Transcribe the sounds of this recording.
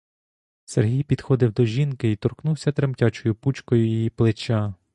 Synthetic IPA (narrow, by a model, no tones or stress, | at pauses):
sḛrɦʲijpʲid̪xɔd̪ɪwd̪ɔʒʲinkɪit̪ɔrknuwsʲɐt̪ɾemtʲɑt͡ʃɔjʊput͡ʃkɔjʊjijiplˠɪt͡ʃa